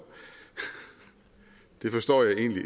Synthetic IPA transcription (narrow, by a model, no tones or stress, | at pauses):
d̥e̝fɒ̽sd̥ɒ̰ːjɑ̈ɪe̝̰ːnli